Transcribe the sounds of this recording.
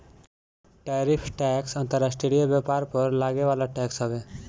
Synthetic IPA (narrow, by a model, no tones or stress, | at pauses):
ʈaɾipʰʈɛksɔnt̪ɔɾasʈɾeɖiobɛpaɾpɔɾlaɡebalaʈɛksɦɔbe